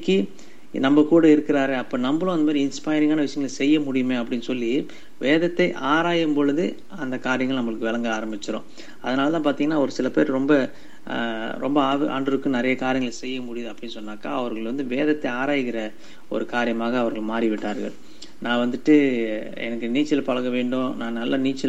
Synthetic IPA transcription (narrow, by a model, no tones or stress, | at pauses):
kːi | nɐmːɐkuːɽɐɪɾɯkːɪɾaːɾeːɐpːoːnɐmbɐõɐnd̪ɐmaːðɾiɪɪnspaːjɾɪŋɡaːnɐʋɪʂɐjɐŋɡɐɭsɛjːɐmʊɽɪjɯmeːɐpːɐɽɪnːɯsɔlːi | ʋeːðɐt̪ːɐɪʔaːɾaːjɯmbɔɻɯðɯ | ɐnd̪ɐkaːɾɪjɐŋɡɐɭnɐmːɐɭɯkːɯʋɛlɐŋɡɐaːɾɐmbɪt͡ʃːɪɾõ̰ː | ɐðɐnaːlɐt̪ãːp̬aːɾt̪iŋɡɐnːaːɔɾɯsɪlɐpeːɾɾɔmbɐ | ɾɔ̰mbɐaːʋʔa̰ːɳɖɯɾɯkːɯ̃nɪɾɐjɐkaːɾɪjɐŋɡɐɭsɛjːɐmʊɽɪjɐðɐpːɐɽɪnːɯsɔnːaːka̰ːɐʋɐɾɣɐɭʋɐnd̪ɯʋeːðɐt̪ːɐɪaːɾaːjɪkɪɾɐ | ɔ̰ɾɯkaːɾɪjɐmaːɣɐːʋɐɾɣɐɭmaːɾiʋɪʈːaːɾɣɐ̰ɭ | nãːʋɐnd̪ɯʈːɯ | ɛ̰nɐkːɯniːt͡ʃːɪlɐpɐɻɐɣɐʋeːɳɖõnãːnɐlːɐniːt͡ʃːɪl